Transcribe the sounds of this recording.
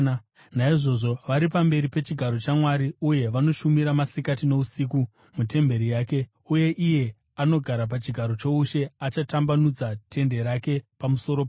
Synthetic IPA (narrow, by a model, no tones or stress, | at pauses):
naiʐo̞ʐo̞ʋaɾip̬ambe̞ɾipe̞t͡ʃiɡʱaɾo̞t͡ʃamwaɾiuje̞ʋano̞ʃumiɾamasikatino̞usiːku | mute̞mbe̞ɾijaːke̞ | uje̞ʔije̞ | ano̞ɡʱaɾap̬at͡ʃiɡʱaɾo̞t͡ʃo̞uʃe̞at͡ʃatambanud͡zatʰe̞nde̞ɾake̞pamuso̞ɾop